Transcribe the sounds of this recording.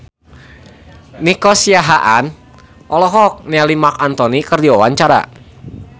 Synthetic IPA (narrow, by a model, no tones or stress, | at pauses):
nikɔsiaɦaʔan | ʔɔlɔɦɔk̚nalimakant̪ɔnikərdiwawaɲt͡ʃaɾa̰